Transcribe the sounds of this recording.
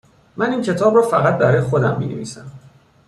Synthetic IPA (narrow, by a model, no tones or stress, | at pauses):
mæniːncʰe̞t̪ʰɒːbrɒːfæɣæt̪̚bæɾɒːjexod̪æmːḭːnevḭːsæm